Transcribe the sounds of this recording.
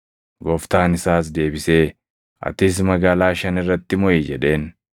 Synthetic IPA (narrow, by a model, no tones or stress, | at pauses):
ɡɔft̪aːnɪsaːs̬d̪e̞ːbɪse̞ː | ʔɐ̰t̪ɪs̬mɐɡaːlaːʃɐnɪrːɐt̪ːɪmɔjid͡ʒɛᶑe̞ːn